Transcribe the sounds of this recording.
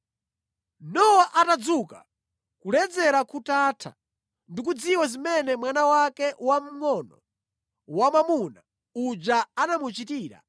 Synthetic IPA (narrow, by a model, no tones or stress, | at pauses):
nɔwaʔatad͡zuka̰ | kulɛd͡zɛɾakutatʰa̰ | ndikud͡ziwazimɛnɛmwanawakɛwam̩ŋɔnɔ̰ | wamamuna | ud͡ʒaanamut͡ʃitiːɾa̰